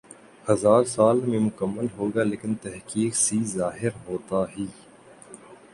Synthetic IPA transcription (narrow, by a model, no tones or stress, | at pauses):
hɐzaːɾsaːlmẽmʊkəmːəlɦoːɡaːleːkɪnt̪ɛɦkiːksizaːɦɪɾɦoːt̪aːɦiː